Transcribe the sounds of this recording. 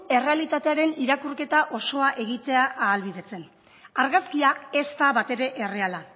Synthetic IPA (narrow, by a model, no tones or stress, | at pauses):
e̞re̞alit̪at̪eaɾe̞niɾakurke̞t̪aʔo̞so̞aʔe̞ɣit̪e̞aʔaːlβiðe̞t͡se̞n | aɾɣaskiae̞st̪aβat̪e̞ɾe̞ʔere̞ala